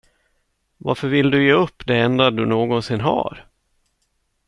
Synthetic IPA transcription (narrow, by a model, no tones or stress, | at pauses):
vaɾfœɾvɪld̪ɵjeːɵpːd̪ɛɛnd̪ad̪ɵnoːɡɔnsɪnːɦa̰ɾ